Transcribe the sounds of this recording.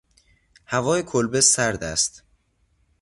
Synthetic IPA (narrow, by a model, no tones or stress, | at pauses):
hævɒːjekʰolbesæɾd̪æst̪